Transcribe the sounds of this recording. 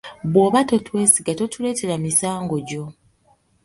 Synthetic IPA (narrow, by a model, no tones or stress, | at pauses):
βwo̞ːβato̞twe̞ːsiɡato̞tule̞ːte̞ɾamisaːŋɡo̞ɟo̞